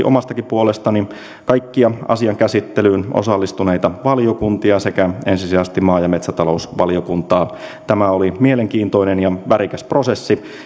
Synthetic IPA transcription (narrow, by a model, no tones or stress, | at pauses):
ʔo̰mɑst̪ɑkipuolest̪ɑni | kɑikːiɑɑ̰siɑŋkæsit̪ːelyːnʔo̰sɑlːist̪unejt̪ɑʋɑlijokunt̪iɑsekæensisiæst̪imɑːjɑmet̪sæt̪ɑlo̞usʋɑ̰lijokunt̪ɑːt̪æmæolimieleŋkiːnt̪o̞inenjɑʋæɾikæspro̞sesːi